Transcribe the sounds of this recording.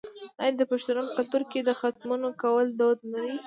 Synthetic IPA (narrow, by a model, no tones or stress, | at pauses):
ajand̪əpaʃt̪ʊnomkalt̪uɾked̪əxat̪munokawəld̪od̪̚nawi